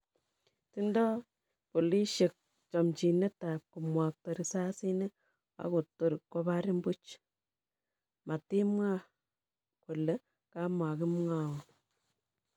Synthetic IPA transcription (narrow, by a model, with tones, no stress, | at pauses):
ti˦ndɔ˦ | po˨li˦ʃe˨k̚ | t͡ʃɔ˨mt͡ʃi˨ne˦ta˨p̚ku˨mwa˨k̚tɔ˨ɾi˨sa˦si˦ne˦ | a̰˦ko˨tːo˨ɾkːo˦ba˦ɾi˦mbu˦t͡ʃ | ma˨ti˦mŋa˦ | ko˨le˦ | ka˦ma˨ki˦mŋa˦wɔ˨